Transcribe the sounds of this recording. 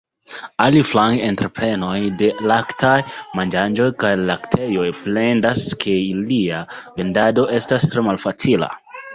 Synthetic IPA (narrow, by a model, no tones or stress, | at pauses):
aliflaŋɡentɾepɾe̞no̞jde̞laktʰajmand͡ʒand͡ʒo̞jkajlaktʰe̞jo̞jple̞ndaskʰe̞iliave̞ndado̞ʔe̞stastɾe̞malfat͡sila̰